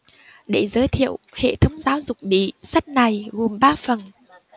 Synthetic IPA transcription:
ɗe˧˩zəː˨˦jt̪ʰḭ˧˨əwhḛ˧˨t̪ʰə˨˦wŋ͡mzaː˨˦wzʊ˨˩k͡p̚ɓḭ˧˨sə˦˥t̚na˨˩jɣo˨˩mɓaː˧fə˨˩n

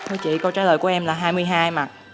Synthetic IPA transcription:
t̪ʰo˧jt͡ɕḭ˧˨kə˧wt͡ɕaː˧˥˦ləː˨˩jku˧˩˦ʔɛ˧mlaː˨˩ɦaː˧jmɨ˧əjɦaː˧jma˨˩t̚

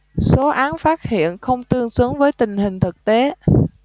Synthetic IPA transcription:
so˨˦ʔaː˨˦nfaː˦˥t̚hḭ˧˨ənxə˧wŋ͡mt̪ɨ˧əŋsɨ˨˦əŋvəː˨˦jt̪ï˨˩ŋ̟hï˨˩ŋ̟t̪ʰɨ˨˩k̚t̪e˨˦

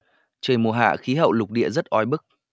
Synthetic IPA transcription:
t͡ɕəː˨˩jmu˨˩əɦa̰ː˧˨xi˨˦ɦə̰˧˨wlʊ˨˩k͡p̚ɗḭ˧˨əzə˦˥t̚ʔɔ˨˧˦jɓɨ˦˥k̚

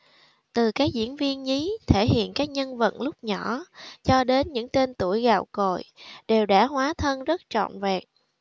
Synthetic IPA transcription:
t̪ɨ˨˩kaː˦˥k̚zḭ˧˥ənvi˧ənɲi˨˦t̪ʰe˧˩hḭ˧˨ənkaː˦˥k̚ɲə˧nvə̰˧˨nlʊ˦˥k͡p̚ɲɔ˧˩˥t͡ɕɔ˧ɗe˨˦nɲɨ̰˧˥ŋt̪e˧nt̪u˧˩əjɣaː˧˨˩wko˧˨jɗe˨˩wɗa̰ː˧˥ɦwaː˨˦t̪ʰə˧nzə˦˥t̚t͡ɕɔ̰˧˨nvɛ˨˩k̚

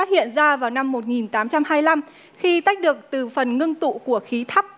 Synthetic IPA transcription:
a˦˥t̚hḭ˧˨ənzaː˧vaː˨˩wna˧mːo˨˩t̚ŋi˨˩nt̪aː˨˦mt͡ɕa˧mhaː˧jla˧m | xi˧t̪a˦˥jk̟̚ɗɨ˨˩ək̚t̪ɨ˨˩fə˨˩nŋɨ˧ŋt̪ṵ˧˨ku˧˩əxi˨˦t̪ʰa˦˥p̚

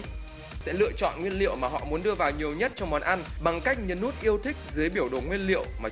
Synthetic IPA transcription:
sɛ̰˧˥lɨ̰˧˨ət͡ɕɔ̰˧˨nŋwi˧ənlḭ˧˨əwmaː˨˩ɦɔ̰˧˨mu˨˦nɗɨ˧əvaː˨˩wɲi˨˩əwɲə˦˥t̚t͡ɕɔ˧wŋ͡mmɔ˨˩nʔa˧nɓa˨˩ŋka˦˥jk̚ɲɨ˨˦nːu˦˥ət̚ʔi˧əwt̪ʰï˦˥k̚zɨ˨˦jɓi˧˩əwɗo˨˩ŋwi˧ənlḭ˧˨əwmaː˨˩

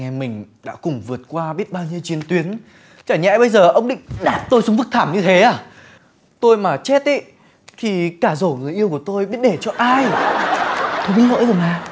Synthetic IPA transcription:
ŋɛ˧mï˨˩ŋ̟ɗa̰ː˧˥kʊ˨˩ŋ͡mvɨ˨˩ət̚kwaː˧ɓi˦˥ət̚ɓaː˧wɲi˧wt͡ɕi˧ənt̪wi˨˦ən | t͡ɕaː˧˩ɲɛ̰˧˥jɓə˧jzəː˨˩ʔə˧wŋ͡mɗḭ˧˨ŋ̟ɗaː˨˩p̚t̪o˧jsʊ˨˦ŋ͡mfɨ˦˥k̚t̪ʰaː˧˩mɲɨ˧t̪ʰe˨˦ʔaː˧˩ | t̪o˧jmaː˨˩t͡ɕɛ˦˥t̚ʔḭ˧˦ | t̪ʰi˨˩kaː˧˩zo˧˩ŋɨ˨˩əjʔi˧əwku˧˩ət̪o˧jɓi˦˥ət̚ɗe˧˩t͡ɕɔ˧ʔaː˧j | t̪ʰo˧jkɨ̰˨˦ŋlə̰˧˥jə˨˩maː˨˩

